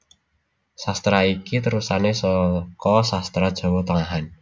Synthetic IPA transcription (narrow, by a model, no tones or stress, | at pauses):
sast̪ɾaikit̪əɾusanesɔkɔsast̪ɾad̥ʒ̥ɔ̤wɔt̪əŋaɦan